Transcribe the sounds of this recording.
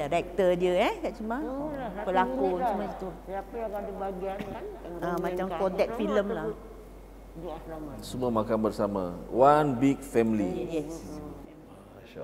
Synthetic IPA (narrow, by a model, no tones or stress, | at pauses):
ɾɛk̚t̪ədiəɛkaʔt͡ʃumãbəlakuumat̪uapəakadəbaɡiaəmãt͡ʃamkodɛk̪̚filəmlah | sumũamakanbərsamã̰wanbik̚fɛmilijɛs